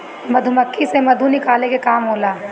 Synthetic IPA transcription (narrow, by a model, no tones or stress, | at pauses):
mɐd̪ʱumɐkʰːisemɐd̪ʱunɪkaːlekekaːmɦoːlaː